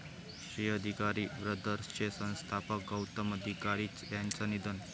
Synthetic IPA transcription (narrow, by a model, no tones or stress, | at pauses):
ɕiəd̪ʱikaɾiːʋɾəd̪ʱəɾst͡ɕesə̃ñst̪ʰapək̚ɡəwt̪əməd̪ʱikaɾiːt͡sjant͡sanid̪ən